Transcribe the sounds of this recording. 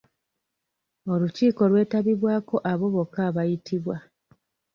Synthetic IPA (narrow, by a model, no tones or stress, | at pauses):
o̞luciːko̞lwe̞ːtaβiβwaːko̞ʔaβo̞βo̞kːaβajitiβwa